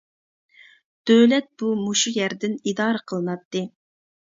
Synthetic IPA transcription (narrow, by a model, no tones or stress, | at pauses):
d̪̥øwlɛt̪̚b̥umoʃujæɾd̪ɪnid̪ɑːɾəqʰəlˠɨnɑt̪ːɨ